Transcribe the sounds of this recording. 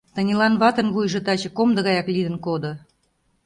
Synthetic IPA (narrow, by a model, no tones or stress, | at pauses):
t̪ə̆nʲelɑnβɑt̪ə̆nβujʒɤ̆t̪ɑt͡ɕɤ̆komd̪ə̆ɣɑjɑklid̪ə̆nkod̪ŏ